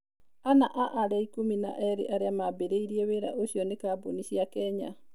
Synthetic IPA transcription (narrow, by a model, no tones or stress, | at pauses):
anaʔaʔaɾɛikumina̰ʔɛɾḛʔaɾeamabeɾeiɾieweɾa̰ʔoʃiɔnekaːboniʃiakɛɲa̰